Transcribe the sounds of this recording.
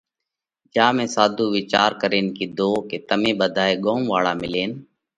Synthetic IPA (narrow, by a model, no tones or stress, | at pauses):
d͡ʒaːmẽːsaːd̪ʱuːʋɪt͡ʃaːɾkəɾeːnkiːd̪oːkeːt̪əmẽːɓəd̪ʱaːeːɠoːmʋaːɭaːmɪleːn